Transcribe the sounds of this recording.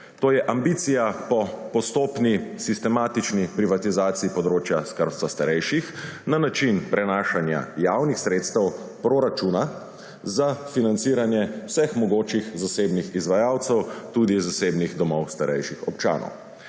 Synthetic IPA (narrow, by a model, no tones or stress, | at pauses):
t̪oːjɛʔambiːt̪sijapɔpɔst̪oːpnisist̪ɛmaːt̪it͡ʃnipɾiʋat̪izaːt̪siipɔd̪ɾoːt͡ʃjaskəɾpt̪sast̪aɾɛjʃixnanat͡ʃinpɾɛnaːʃanja̰jawnixsɾeːt̪st̪ɛwpɾoɾat͡ʃuːna | zafinant̪siːɾanjɛwsɛxmɔɡoːt͡ʃixzaseːbnixizʋajaːwt̪sɛwt̪uːd̪izaseːbniɣd̪ɔmɔwst̪aɾɛjʃixɔpt͡ʃa̰ːnʔɔ̰w